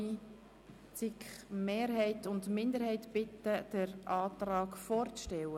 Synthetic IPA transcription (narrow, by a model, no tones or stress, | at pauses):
i | t͡sɪkχmeːɾɦɛɪtʊndmɪnd̪əɾhɛɪtb̥ɪtːəd̥əɾʔɑːtrɑːkfɔːɾt͡sʃtɛwə